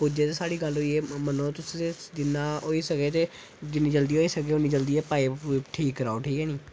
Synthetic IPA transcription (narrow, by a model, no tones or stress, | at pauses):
pud͡ʒeːt̪eːsaːɽiːɡəlɦoːiːɛːmənõːt̪ʊseed͡ʒɪnːaːɦoːiːsəkeːt̪eː | d͡ʒɪnːiːd͡ʒəld̪iːɦoːiːsəkeːoniːd͡ʒəld̪iːɛːpaːiːuʈʰiːkːəɾaːoʈʰiːkɛːniː